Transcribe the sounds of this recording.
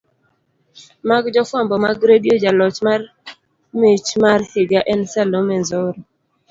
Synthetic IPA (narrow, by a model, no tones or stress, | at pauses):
maɡd͡ʒɔfwambɔmaɡɾedjod͡ʒalɔt͡ʃmar | met͡ʃmarhɪɡaʔɛnsalomɛnzɔɾɔ